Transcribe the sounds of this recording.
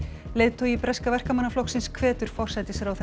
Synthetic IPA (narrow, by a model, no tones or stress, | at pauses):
leːðt̪ʰoipɾɛskavɛr̥kamanːaflɔwksɪnskʰvɛːt̪ʏɾ̥fɔr̥sɛjt̪ɪsɾawθɛ